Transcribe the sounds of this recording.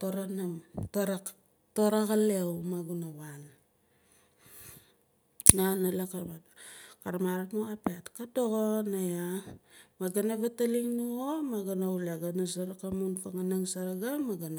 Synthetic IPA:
toɾanamtoɾa | toɾaɣalewmaɡunawan | nanalakaɾmakaɾamaɾatmoapetkadoɣonaja | maɡanaβataliŋnuomaɡanauleɡanasaɾakamunfaŋanaŋsaɾaɡamaɡana

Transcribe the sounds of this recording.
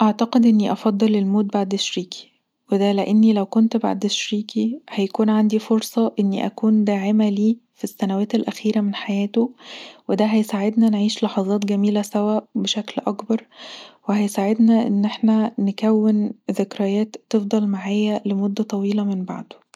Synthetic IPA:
ʔaʕt̪ɑqed̪ʔenːiʔɑfɑd̪ˤːɑlelmoːd̪̚baʕd̪eʃɾiːkʰi̥ | wed̪æleʔenːilæwkont̪ba̰ʕd̪eʃɾiːkihæjækuːnʕand̪ifoɾsˤɑʔenːiʔækuːnd̪æːʕemæliːfisːænæwæːt̪elʔæxiːɾæmenħajæːt̪owed̪æɦæjsaʕed̪nænʕiːʃlɑħɑzˤɑːt̪̬ɡæmiːlæsæwæʔbeʃæklʔɑkbɑɾˤwehæjsaʕed̪næʔenːʔeħnænekæwːenðekɾæjæːt̪ːefd̪ˤɑlmaʕaːjælemod̪ːæt̪ˤɑwiːlɑmenba̰ʕd̪o̥

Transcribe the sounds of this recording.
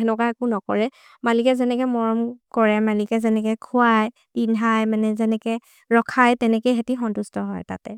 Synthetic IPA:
ɛnɔkaekunɔkɔɹɛ | malikɛzɛnɛkɛmɔɹɔmkɔɹɛmalikɛzɛnɛkɛkʰʊaj | pinʱajmanɛzɛnɛkɛ | ɹɔkʰajtɛnɛkejɦetixɔntustɔɦɔ̰jtatɛ̰

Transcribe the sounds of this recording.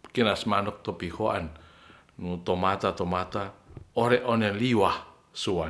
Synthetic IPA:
kinasmanɔk̚t̪ɔpihoanː | ut̪omat̪at̪omat̪aoɾɛʔoneliwah | suwa

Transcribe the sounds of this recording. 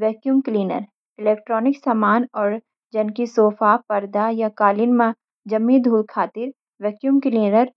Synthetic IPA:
ʋɛːkjuːmkliːnə̰ɾ | ɪleːkʈɾɔːnɪksamaːnɔːɾ | d͡ʒɐnkisoːfapɐɾd̪ajakaːlɪnmã | d͡ʒɐmĩd̪ʱuːlkʰaːt̪ɪɾ | ʋɛːkjuːmkliːnəɾ

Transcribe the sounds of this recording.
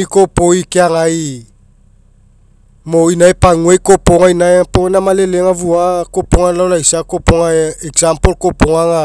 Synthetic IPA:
ikopoikeaŋaj | moinajpaŋuajkopoŋainajpoenamaleleŋavuakopoŋalawlajsakopoŋaeksampolkopoŋaŋa

